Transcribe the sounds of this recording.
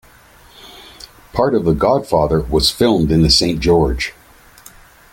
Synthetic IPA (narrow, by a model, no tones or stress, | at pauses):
pʰɑɹɾʌvðəɡɑd̥fɑðə˞wʌz̥fɪlˠmdɨ̃nðɨsẽɪ̃nd̥ʒ̥ɔɹd̥ʒ̥